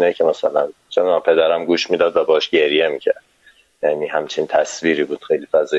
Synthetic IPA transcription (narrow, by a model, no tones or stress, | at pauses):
inecʰemæsælæn | t͡ʃʰemd̪æmpʰe̞d̪æɾæmɡuːʃmiːd̪ɒːd̪væbɒhɛʃɟ̥e̞ɾjemiːcʰæɾd̪̥ | jæːniːhæmt͡ʃʰint̪ʰæsviːɾiːbuːd̪̥xejliːfæzɒː